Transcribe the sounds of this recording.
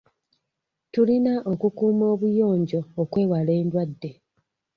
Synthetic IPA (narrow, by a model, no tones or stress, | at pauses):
tulinaʔo̞kukuːmo̞ːβujo̞ːɲɟo̞ːkwe̞ːwale̞ːndwadːe̞